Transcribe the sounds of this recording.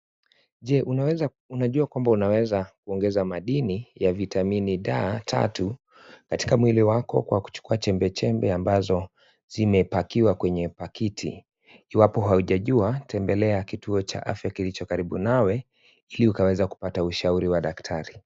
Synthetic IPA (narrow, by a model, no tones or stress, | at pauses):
ʄɛʔu | unaʄuakwambaunawɛzakuɔŋɡɛzamaɗinijavitaminiɗa̰ːtʰa̰tu | kati̥kamwiliwakɔ̰kwaku̥t͡ʃu̥kuat͡ʃɛmbɛt͡ʃɛmbɛambazɔ | z̥imɛpakiwakwɛɲɛpakitʰḭː | wapɔɦauʄaʄuatʰɛmbɛlɛakituɔt͡ʃa̰ʔa̰fjakilit͡ʃɔkaɾiɓunawɛ | iliukawɛzaku̥patauʃauɾiwaɗaktʰaɾi